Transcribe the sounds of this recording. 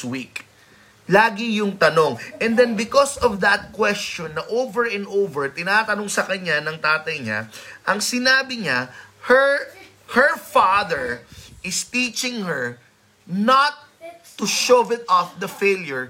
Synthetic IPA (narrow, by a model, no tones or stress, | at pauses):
wik | laːɡɪjʊŋt̪ɐno̞ŋʔɛ̃nd̪ɛnbɪkɔsɔvd̪ɐt̪̚kwɛst͡ʃɔ̃nːɐʔowvɛɹɛ̃nd̪owvɛɹt̪ɪnaːt̪ɐnoŋsɐkɐɲanɐŋt̪aːt̪ɐjɲa̰ʔɐŋsɪnaːbɪɲahɛɹ | hɛfaðɛɹʔɪst̪it͡ʃɪ̃ŋhɛɹ | nɐt̪ː | ʊʃovɪt̪ɔfd̪ɐfejljʊɹ